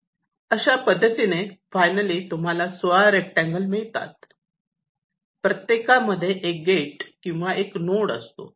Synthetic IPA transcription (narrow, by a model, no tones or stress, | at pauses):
əɕapəd̪ʱːət̪inefajnəliːt̪um̤alasʋaɾek̚ʈæ̃ŋɡəlmiɭt̪a̰t̪̚ | pɾət̪jekaməd̪ʱːjeʔek̚ɡeʈkĩw̃ʋaʔeknoɽə̰st̪o̰